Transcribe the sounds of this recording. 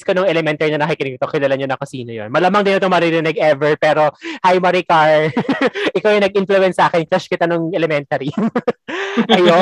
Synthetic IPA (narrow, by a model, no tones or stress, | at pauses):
skonoŋɛlɛmɛnt̪ɐɹinɐnɐɦɐjkɪnɪkɪt̪okɪlɐlɐnɲonɐkosiːnojo̰nmɐlɐmɐŋd̪ɪnɐt̪oŋmɐɾɪɾɪnɛɡɛvɛɹpɛːɾo̞hajmɐɾikaɹ | ʔɪkawjɐŋnɐɡ̚ʔɪnflʊɛnsʔaːkɛnkɾɐʃkɪt̪anoŋɛlɛmɛnt̪ɐɾi | ɐjo